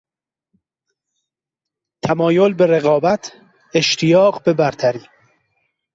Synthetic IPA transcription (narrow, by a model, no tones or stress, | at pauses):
t̪ʰæmɒːjolbe̞ɾe̞ɣɒːbæt̪ʰ | e̞ʃt̪ʰijɒːɢbe̞bæɾt̪ʰæɾiː